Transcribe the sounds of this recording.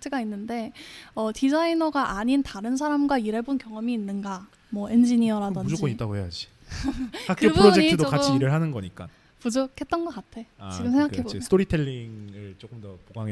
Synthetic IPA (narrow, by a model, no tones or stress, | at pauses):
t͡ɕʰeɡainːɯnde̞ʌtid͡ʑainʌɡaʔaɲintaɾɯns̬ʰaɾamɡwaiɾebonkjʌŋʌmiːnːɯnɡa | mwʌe̞nd͡ʑiɲiʌɾadʌnud͡ʑod͡ʑk͈oɲit͈aɡohejad͡ʑi | ak͈oɯbpɯɾod͡ʑeɲkitʰɯdokat͡ɕʰiːɾɯɭɦanɯnɡʌɲik͈a̰ | pud͡ʑokʰe̞t̚t͈ʌnɡʌk͈atʰe̞a̰t͡ɕiɡɯmsʰeŋɡakkʰebostʰoɾitʰeʎːiŋɯɭt͡ɕ͈ok͈ɯmdʌpoɡaŋe